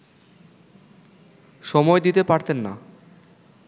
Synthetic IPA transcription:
ʃɔmɔed̪it̪epaɾt̪enːa̰

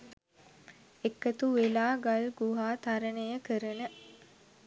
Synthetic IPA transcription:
ekːət̪uʋelaːɡalɡuɦaːt̪aɾənəjəkəɾənə

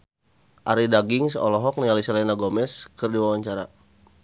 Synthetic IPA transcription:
ʔaɾidaɡiŋsɔlɔɦɔk̚nialisalɛnaɡomɛskərdiwawaɲt͡ʃaɾa

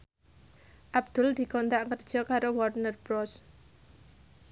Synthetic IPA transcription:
ʔab̚d̪̥ʊld̪̥i̤kɔnt̪aʔkərd̥ʒ̥ɔ̤kaɾowɔrnərbɾɔs

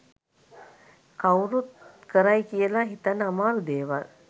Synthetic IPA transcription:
kawɾut̪kəɾajkijəlaɦit̪anəamaːlud̪eːʋa̰l

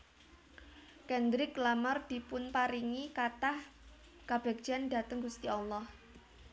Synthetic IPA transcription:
kɛnd̪ɾɪklamard̪̥i̤pʊnpaɾiŋikat̪ah | ɡ̥ab̥ɛk̚d̥d͡ʒ̥anda̤t̪əŋɡust̪iɔlːɔh

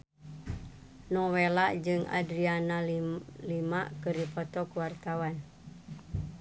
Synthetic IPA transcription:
nɔwelaʔd͡ʒɨŋʔa̰dɾianalimaʔkɨripɔt̪ɔkuwart̪awan

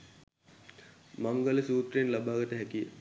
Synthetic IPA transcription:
maŋɡələsuːt̪renlabaːɡət̪əɦɛkijə̰

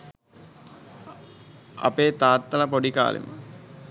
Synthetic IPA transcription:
ɐ̰peːt̪aːt̪ːɐlɐpoɖika̰ːlḛmə̰

